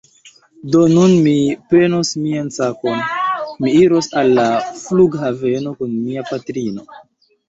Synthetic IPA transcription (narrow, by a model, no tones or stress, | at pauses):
do̞nunmipe̞nosmiansako̞nmiiɾo̞salːafluɡɦave̞no̞kunmiapatɾino̞